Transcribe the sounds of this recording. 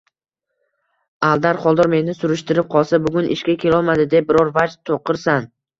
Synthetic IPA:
alˠd̪aɾχɒlˠd̪ɒɾme̞nːɪsʊɾɪʃt̪ɪɾɪp̚qʰɒlˠsabʊɡʊnʔɪ̰ʃkʲakʲʰe̞lɒlˠmad̪ɪd̪ep̚bɪɾɒɾvad͡ʒt̪ʰoqɨɾsan

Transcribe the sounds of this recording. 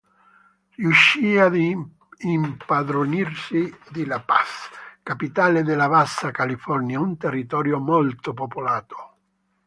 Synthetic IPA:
rjuʃːiːad̪ | impad̪ɾonirsid̪ilapaskapit̪aːled̪ɪlavasːakalifɔrnjaunt̪erːit̪ɔːɾjomolt̪opopolaːt̪o̥

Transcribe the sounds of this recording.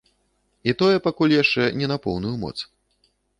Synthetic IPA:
it̪ɔjɛpakulʲjaʂt͡ʂɛnʲɛnapɔwnujumɔ̰t̪s

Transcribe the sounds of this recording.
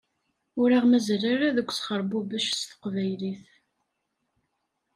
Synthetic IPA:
ʊɾaʁmæzraɾaðəkʷːsχəɾˤbubæʃsθə̥qvæjliθ

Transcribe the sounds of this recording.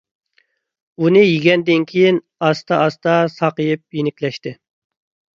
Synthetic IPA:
unɨjiɡʲɛnd̪ɪnkʲʰijin | ɑst̪ʰɑʔːst̪ɑsɑqəjɨp̚jenɪkʲlɛʃt̪ɪ

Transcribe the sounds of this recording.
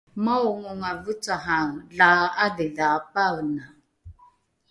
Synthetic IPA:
maʊŋʊŋavut͡saɦaŋ̩ɮaadɪlapaɣna

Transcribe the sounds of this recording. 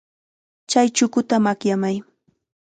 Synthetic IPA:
t͡ʃajt͡ʃʊkʊt̪amakjamaj

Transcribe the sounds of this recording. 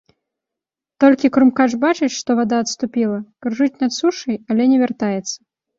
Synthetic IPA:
t̪ɔlʲkʲikɾumkaʐbat͡ʂɨʃʂt̪ɔvad̪aːt̪st̪upʲilˠɐkrʐɨt͡sʲnat̪suʂɐjalʲɛnʲɛvʲɛrt̪ajɛt̪sːɐ

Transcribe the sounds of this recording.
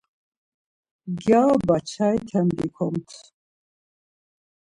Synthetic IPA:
ɡawbat͡ʃʰajt̪ʰand̪ikʷʰɔmt̪ʰ

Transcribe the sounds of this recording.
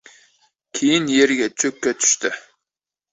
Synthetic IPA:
kʲʰejinjeɾɪɡʲɛt͡ʃʰøkʲːɛt̪ʰy̥ʃt̪ɪ

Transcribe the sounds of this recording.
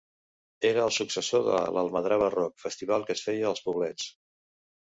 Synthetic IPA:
eɾəːlˠsuksəsoðə̰lə̰lˠməðɾaβərɔk̚fəst̪iβ̞alˠkəsfɛjəːlˠspuβlɛt͡s

